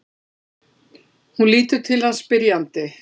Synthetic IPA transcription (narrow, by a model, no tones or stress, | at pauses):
hunliːt̪ʏɾt̪ʰɪlhanspɪɾjant̪ɪ